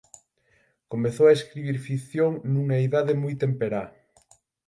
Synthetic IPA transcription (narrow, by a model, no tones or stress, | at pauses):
komeθoaeskɾiβ̞iɾfikθjoŋnuŋaeðaðemujt̪empeɾa